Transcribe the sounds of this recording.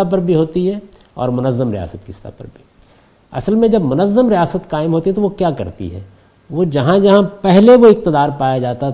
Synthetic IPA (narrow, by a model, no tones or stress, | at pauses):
ap̬ɐɾbʱiɦoːt̪iɦɛ | ɔ̰ːɾmʊnəzːəmɾɪja̰ːsət̪kɪst̪a̰pɐ̰ɾbʱi | ɐ̰səlmẽd͡ʒɐbmʊnəzːəmɾɪjaːsət̪kaːɪmɦoːt̪iɦɛt̪oʋokjaːkɐ̰ɾt̪ḭɦɛ̰ː | ʋod͡ʒɐɦãd͡ʒɐɦãpɛɦleʋoɪk̚t̪ɪd̪aːɾpaːjad͡ʒaːt̪a